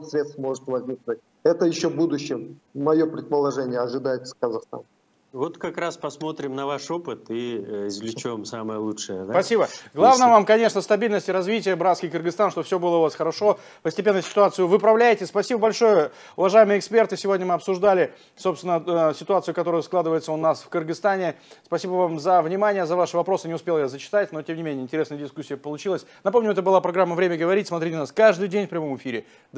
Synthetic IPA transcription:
sɾʲet̪st̪mo̞ʐɨt̪vɐzʲnʲik̚nət̚ʲ | ɛt̪əjɪɕːobud̪ʊɕːɪmɐjopɾʲɪt̪̚pəlˠɐʐɛnʲɪjəɐʐɨd̪ajɪt̪sə̥kəzɐxst̪a̰n | vo̞t̪kɐkɾaspɐsmo̞t̪ɾʲɪmnɐvaʂo̞pɨt̪izvlʲɪt͡ɕo̞msaməjəlˠuʂɨjəd̪apɐsʲibəɡlˠavnəjəvamkɐnʲe̞ʂnəst̪ɐbʲilʲnəsʲtʲɪɾɐzvʲitʲɪjəbɾat̪skʲɪkɨrɡɨst̪anʂt̪ofsʲobɨlˠəʊvasxəɾɐʂo̞ | pəsʲtʲɪpʲe̞nːəsʲɪt̪ʊat̪sɨjʊvɨpɾɐvlʲæjɪtʲɪspɐsʲibəbɐlʲʂo̞jə | ʊvɐʐajɪmɨjəːkspʲe̞rt̪ɨsʲɪvodʲnʲəmɨɐpsʊʐd̪alʲɪ | so̞psʲɪnəsʲɪt̪ʊat̪sɨjʊkɐt̪o̞ɾʊjʊsklˠad̪ɨvəjɪt̪səʊnasfkɨrɡɨst̪anʲɪspɐsʲibəvamzəvnʲɪmanʲɪjəzɐvaʂɨvɐpɾo̞sɨnʲɪʊspʲelˠjazət͡ɕɪ̥t̪atʲno̞tʲemnʲɪmenʲɪjəɪnʲtʲɪɾʲesnəjədʲɪskusʲːɪjəpəlˠʊt͡ɕilˠəsʲnɐpo̞mnʲʊɛt̪əbɨlˠapɾɐɡɾamːəvɾʲemʲəɡəvɐɾʲitʲsmɐt̪ɾʲitʲɪnaskaʐd̪ɨjdʲenʲfpɾʲɪmo̞mɨfʲiɾʲɪ

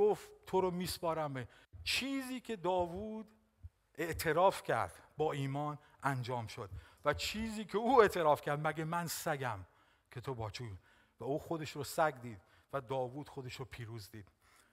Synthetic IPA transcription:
oft̪ʰoɾomiːspɒːɾæmbe | t͡ʃʰiːziːcʰʲe̞d̪ɒːvuːd̪ | e̞ʔt̪ʰe̞ɾɒːfcʰæ̰ɾd̪̥bɒːiːmɒːn | ænd͡ʒɒːmʃo̞d̪̥væt͡ʃʰiːziːkʰe̞uːe̞ʔt̪ʰe̞ɾɒːfkʰʲæɾd̪mæɡemænsæɡʲæm | kʲʰe̞t̪ʰobɒːt͡ʃʰuː | væuːxo̞d̪e̞ʃɾosæɡd̪iːd̪̥ | væd̪ɒːvuːd̪̥xo̞d̪e̞ʃɾopʰiːɾuːzd̪iːd̪̥

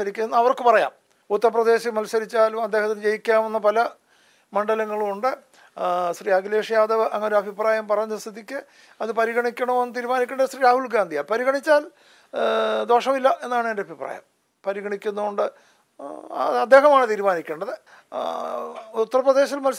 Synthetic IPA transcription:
ɐɾikʲːuenːɐʋɐrkɨpɐrɐja̰ːm | ut̪ːɐrɐp̬rɐd̪e̞ːɕimɐlsɐɾit͡ɕːaːlumɐd̪ːeːɦɐt̪ːint͡ɕe̞jikʲːaːmenːɐpɐlɐ | mɐɳɖɐlɐŋːɐɭumuɳɖɨ | ɕriaːɡileːʂjaːd̪ɐʋʔɐŋːɐnoɾɐbʱipraːjɐmpɐrɐjunɐst̪ʰid̪ːikʲːɨ | ɐðɨpɐɾiɣɐɳikʲːɐɳɐmenːɐt̪̬iːɾumaːnikʲːɐɳɖɐðsriɾaːhuɭɡaːnd̪ijaːpɐɾiɣɐɳit͡ɕːaːl | d̪oːʂɐmilːɐʔe̞nːaːɳɨendeɐbʱipra̰ːjɐ̰m | pɐɾiɣɐɳikʲːunːuoɳɖɨ | ɐ̰ɐd̪ːe̞ːɦɐmaːɳɨt̪iːɾumaːnikʲːeːɳɖɐðɨ | ut̪ːɐrɐprɐd̪e̞ːɕɐilmɐls

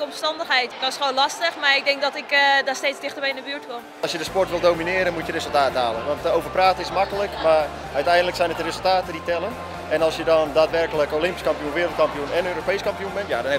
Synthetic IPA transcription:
ɔmstɑndəxɦɛjtɪkʋɔsχʋoːnlɑstəχmaɹɪɡ̚dɛŋkdɔtɪkdastejzdɪxtəɹbɛjɪndəbyːɹtkɔm | ɔlˠsjədəspʊrtʋɪlˠdowminɪəɾənmutjərezəlˠtaːtaːlənʋɑntəowvərpraːtəɪsmɑkələkmar | œɥtɛjndələksɛjnətərezəlˠtaːtəditɛlˠən | ɛnɑlˠsjədɔndaːtʋɛrkələkowlɪmpi̥skɑmpjunʋɪːrl̩ˠt̚kɑmpijunɛnnøːropeskɑmpijunbɛntjadɔnɛ

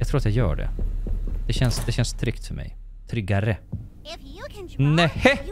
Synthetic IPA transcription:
jɑɡt̪ʰɾuːat̪jaɡjœ̰ːɖɛ̰ | d̪̥ɛɕɛnsd̪ɛɕɛnst̪ʰɾʏkt̪fœɾmɛ̰j | t̪ʰɾʏɡːaɾə | nɛhɛ

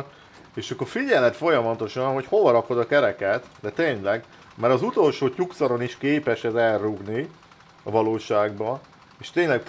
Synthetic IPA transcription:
eːʃɒkːorfiɟɛlɛt̪fo̞jɒmɒt̪o̞ʃɒnho̞cho̞vɒɾɒko̞d̪ɒkɛɾɛkɛt̪d̪ɛt̪eːɲlɛɡ | mɛɾɒzut̪o̞lʃoːcuksɒɾo̞niʃkeːpɛʃɛzɛlruɡni | ɒvɒloːʃaːɡbɒ | eːʃt̪eːɲlɛkt̪

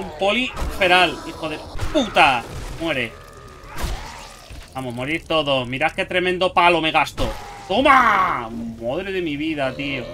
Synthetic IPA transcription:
umpo̞life̞ɾalixoðeput̪amwe̞ɾe | bamoɦmo̞ɾiɾt̪o̞ðo̞miɾahke̞t̪ɾe̞mẽnd̪opalo̞meɣ̞ast̪ot̪oma | moðɾeðemiβiðat̪io

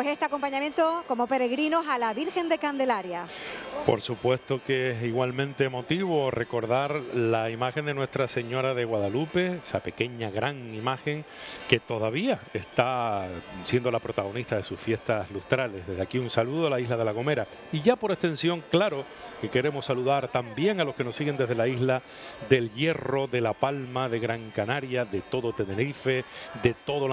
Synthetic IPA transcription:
pwesest̪eako̞mpaɲamje̞nt̪oko̞mo̞pe̞ɾeɣɾinosalaβiɾxe̞nd̪e̞kand̪e̞laɾjapo̞̰ɾsupwe̞st̪okeesiɣwalmẽnt̪e̞mo̞t̪iβore̞ko̞ɾðaɾlaimaxe̞nd̪enwe̞st̪ɾase̞ɲo̞ɾaðe̞ɣwaðalupe̞esape̞ke̞ɲaɣɾaŋimaxe̞ŋ | ke̞t̪o̞ð̞aβ̞iae̞st̪a | sje̞nd̪olapɾo̞t̪aɣ̞o̞nist̪aðe̞susfje̞st̪aslust̪ɾale̞zðe̞zðeakiunsaluðo̞alaizlað̞e̞laɣ̞o̞me̞ɾa | iʝapo̞ɾest̪ensjo̞ŋklaɾo̞ | ke̞ke̞ɾe̞mosːaluðaɾt̪ambje̞ŋalo̞ske̞no̞siɣe̞nd̪e̞zð̞e̞laizla | ðe̞lʝe̞ro̞ðe̞lapalmaðe̞ɣɾaŋkanaɾjaðe̞t̪o̞ðo̞t̪e̞neeɾife̞ðe̞t̪o̞ðo

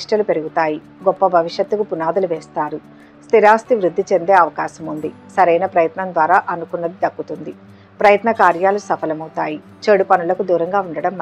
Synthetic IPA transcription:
ʂʈɐlupe̞ɾuɡut̪aːji | ɡɔpːɐbʱɐʋiʂjɐt̪ːukupunaːd̪uluʋeːst̪aːɾu | st̪ʰiɾaːst̪iʋɾud̪ʱːit͡ʃe̞nd̪eːɐʋɐkaːʃɐmund̪i | sɐɾɐjnɐpɾɐjɐt̪nɐnd̪ʋaːɾaːʔɐnukunːɐd̪it̪ɐkːut̪und̪i | pɾɐjɐt̪nɐkaːɾjaːlusɐpʰɐlɐmɐwut̪aːji | t͡ʃeːɽupɐnulɐkud̪uːɾɐŋɡaːuɳɖɐɽɐmːɐ

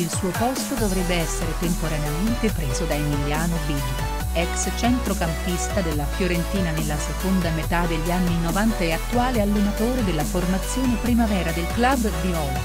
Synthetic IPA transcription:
ilsuːopɔst̪od̪ovɾɛbːeɛsːeɾet̪empoɾaɾjalment̪epɾeːzod̪aemiljaːnobild̪a | ɛkst͡ʃɛnt̪ɾokampist̪ad̪elːafjoɾent̪iːnanelːasekond̪amet̪ad̪eʎːianːinovant̪aeat̪ːuaːlealːunat̪oːɾed̪elːaformat̪sːjoːnepɾimavɛːɾad̪elklabd̪iɔːla

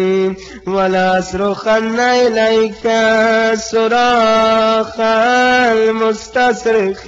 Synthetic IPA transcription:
walasɾoxannːaɪlajkasʊɾɑ | xalmʊst̪asɾx

